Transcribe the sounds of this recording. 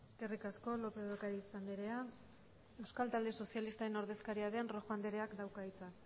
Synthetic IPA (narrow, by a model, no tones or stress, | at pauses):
eske̞rikasko̞lo̞pe̞ɾokaɾiːsand̪iɾea | e̞wskalt̪ald̪e̞so̞sialist̪aɾe̞no̞ɾð̞e̞skaɾiaðe̞nro̞xand̪eɾe̞akd̪awkait͡sa